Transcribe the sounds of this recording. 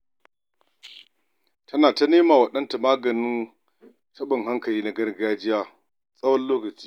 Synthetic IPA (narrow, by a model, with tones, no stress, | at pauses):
tʰɐ˦naː˨ta˦neː˦maː˨wɐ˨ɗɐ˦nta˨maː˦ɡɐ˨nɪ˦n | tɐ˦ɓɪ˨ŋɦa˦ŋkɐ˨liː˦na˨˦ɡɐ˦rɡaː˦d͡ʒɪ˦jaː˦ | sʼɐ˦wɐ˦nloː˦kɐ˨t͡ʃi̥ː˦